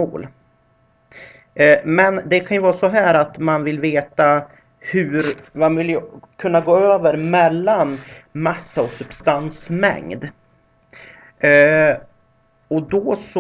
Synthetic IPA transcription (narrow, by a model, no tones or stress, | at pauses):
o̰ːl | mɛnd̪ɛkʰanjɵvɑːɾsɔɦæːɾat̪manvɪlveːt̪a | hʉɾmanvɪlːjkʰɵnːaɡoːøːvəɾmɛlːanmasːaɔsɵbst̪ansmɛ̰ŋd̪ | ɔd̪ɔs